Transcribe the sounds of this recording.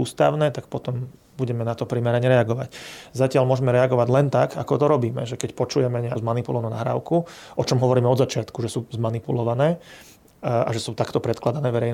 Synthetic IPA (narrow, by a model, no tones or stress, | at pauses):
uːst̪a̰ʊnɛːt̪ak̚pɔt̪ɔm | buɟɛmɛnat̪ɔpɾimɛɾaɲɛɾɛaɡɔʋaczacɪalmʊɔʒɛmɛɾɛaɡɔʋaɟlɛnt̪akakɔt̪ɔɾɔbiːmɛ̰ʒɛkɛcpɔt͡ʃujɛmɛɲɛazmanipulɔʋanuːnaɦɾa̰ːʊkuʔɔt͡ʃɔmɦɔʋɔɾiːmɛɔd̪zat͡ʃɪat̪kuʒɛsuːzmanipulɔʋanɛː | a̰ʒɛsuːt̪akt̪ɔpɾɛt̪klad̪anɛːʋɛɾɛjn